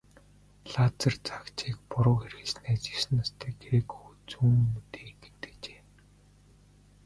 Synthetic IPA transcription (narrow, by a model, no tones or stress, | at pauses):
ɮaːt͡sə̆rt͡sḁkt͡ɕʰiːkpʊɾʊːxerɣɘ̆ɮsnæːt͡ɕĭ̥sɘ̆nast̪ʰæːɡɾekʰut͡suːnmut̪eːŋɡe̥t̪ɘ̥̆kt͡ɕe̥ː